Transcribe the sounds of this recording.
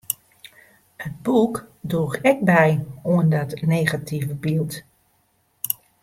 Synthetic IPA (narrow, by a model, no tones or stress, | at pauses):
əd̚bukduxɛk̚bɛjuəndɔtneːɣatʰivəbilˠt